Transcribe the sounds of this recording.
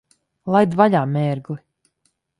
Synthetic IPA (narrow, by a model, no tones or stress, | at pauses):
lˠajd̪vaʎʲaːmɛːɾɡli